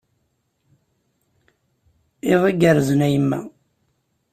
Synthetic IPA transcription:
iðˤiɡəɾzənæjəmːæ̰

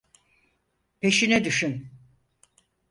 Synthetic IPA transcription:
pʰe̞ʃinɛd̪yʃyn

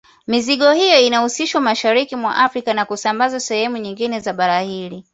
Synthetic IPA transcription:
miziɠɔhijɔinahusiʃwamaʃaɾikimwa̰ʔafɾikanakusambazasɛhɛmuɲiŋɡinɛzaɓaɾahiɾi

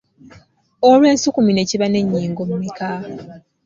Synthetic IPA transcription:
olwe̞ːnsukumine̞ːciβane̞ɲːiːŋɡomumikaː

